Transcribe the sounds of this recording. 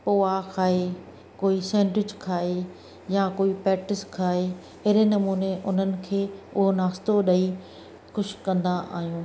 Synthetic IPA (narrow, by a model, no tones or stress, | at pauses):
poːakʰaːɦe | koːisɛ̃ːɳʈɪd͡ʑkʰaːɦe | jakoːipɾɛːk̚ʈɪskʰaːɦe | ɐɦɪɾenɐmuːneʔʊn̤ənɪ̆kʰeːʊɦonaːst̪oɗɐi | xʊʃkɐ̃nd̪aʔa̰ːɦijũː